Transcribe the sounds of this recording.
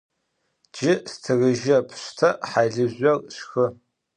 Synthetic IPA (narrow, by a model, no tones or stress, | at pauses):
d͡ʒɪstʰɨrɨʒɪapʰʃʷtʰaħajɮɨʑʷarʃxɨ